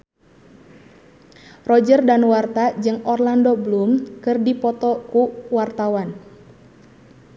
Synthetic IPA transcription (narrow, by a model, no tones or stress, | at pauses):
rɔd͡ʒərdanwart̪ad͡ʒɨŋɔrlandɔblumkɨrdipɔt̪ɔkuwart̪awan